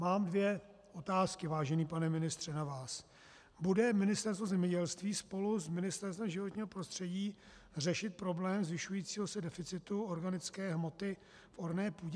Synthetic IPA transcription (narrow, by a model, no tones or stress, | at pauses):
maːmdvjɛ | ʔo̞t̪aːskɪvaːʒɛniːpanɛmɪnɪst̪r̝̥ɛnavaːs | budɛmɪnɪst̪ɛɾst̪vo̞zɛmɲɛɟɛlst̪viːspo̞luzmɪnɪst̪ɛɾst̪vɛmʒɪvo̞t̪ɲiːɦopɾo̞st̪r̝̥ɛɟiː | rɛʃɪt̪̚pɾo̞blɛːmzvɪʃujiːt͡siːɦo̞sɛdɛfɪt͡sɪt̪uo̞ɾɡanɪt͡skɛːɦmo̞t̪ɪ | fʔo̞ɾnɛːpuːɟɛ